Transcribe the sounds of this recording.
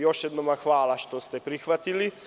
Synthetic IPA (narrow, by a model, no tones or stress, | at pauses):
joʃjɛd̪nomaxʋaːlaʃt̪ost̪ɛpɾixʋat̪ili